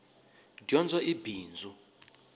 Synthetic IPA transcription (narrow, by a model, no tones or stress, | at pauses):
djɔnd͡zʱɔʔibiːnd͡zʱu